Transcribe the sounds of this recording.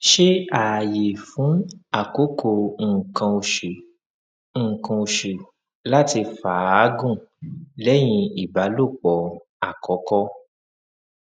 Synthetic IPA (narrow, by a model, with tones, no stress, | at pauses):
ʃe˦a˨je˨fũ˨˦a˦˨ko˦kʰo˧ŋ̩˨kã˧o˧ʃe˨ | ŋ̩˦˨kã˧o˧˨ʃe˨ | la˦ti˧fa˨a˨˦ɡũ˦˨lɛ˨˦j̃ĩ˧i˨ba˨˦lo˦˨k͡pɔ˨ | a˨kɔ˨˦kɔ˦